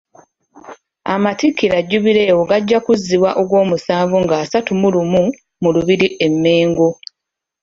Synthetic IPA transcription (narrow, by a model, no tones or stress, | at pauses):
a̰matikːiɾaɟːuβiɾe̞ːwoɡaɟːakuzːiβwaʔo̞ɡwo̞ːmusaːvuŋɡaːsatumulumu | muluβiɾiʔemːeːŋɡo